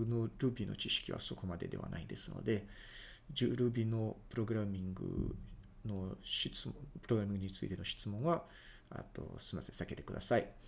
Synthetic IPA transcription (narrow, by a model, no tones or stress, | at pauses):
noɾɯ̟bʲino̞̰t͡ɕiɕi̥kʲiβa̰so̞ko̞mad̪e̞d̪e̞βa̰naid̪e̞sɨno̞̰d̪e̞ | d͡ʑɨːɾɯ̟bʲino̞pɯ̟ɾo̞ɡɯ̟ɾamʲĩŋɡɯ̟̰ | no̞ɕit͡sɨpɯ̟ɾoɡɯɾamʲĩŋɡɯ̟ɲ̟it͡sɨḭt̪e̞no̞ɕi̥t͡sɨmõ̞ɰ̃βa | a̰t̪o̞̰sɨmasẽsake̞t̪e̥kɯ̟d̪a̰sai